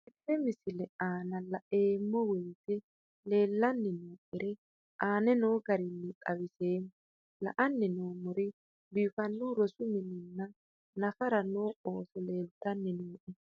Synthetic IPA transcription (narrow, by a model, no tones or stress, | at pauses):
ɛpːɛmɪsɪlɛaːnɐlɐʔeːmːɔwɛjt̪ɛ | le̞ːlːɐnːɪnoːʔɪɾɛ | ʔaːnɛnoːɡɐɾɪnːɪk̪ʼɐwɪse̞ːm | lɐ̰ʔɐnːɪnoːmɔɾɪ | biːfɐnːuɾɔsʊmɪnɪnːɐ | nɐfɐɾɐnoːʔoːsɔleːlt̪ːɐnːɪnuːʔɛ